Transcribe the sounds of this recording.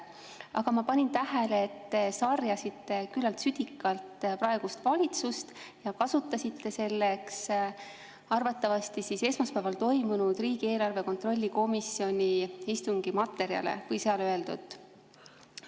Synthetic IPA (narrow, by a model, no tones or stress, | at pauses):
ɑɡɑmɑpɑnʲint̪æɦeleːt̪ːe̞sɑrjɑsit̪ːe̞kylːɑlt̪syd̪̥ikˑːɑlt̪pɾɑe̞ɡ̥ust̪vɑlʲit̪sust̪jɑkɑsut̪ːˑɑsit̪ːe̞se̞lːe̞ks | ɑrvɑt̪ːˑɑvɑst̪isise̞smɑspæːvɑlt̪o̞jmunud̪̥riːɡ̥ie̞ːlɑrve̞ko̞nt̪ro̞lʲːiko̞misio̞nʲiist̪uŋɡ̥imɑt̪ːˑe̞ɾjɑ̰le̞̰vɤjseɑløe̞ld̪ṵt̪ːˑ